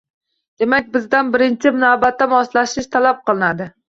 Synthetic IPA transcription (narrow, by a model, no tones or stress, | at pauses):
d̪̥emakʲbɪzd̪anbɪɾɪnt͡ʃʰɪmɪnɒbat̪ʰːamɒslˠaʃɪʃt̪ʰalap̚qʰɨlˠɪnad̪ɪ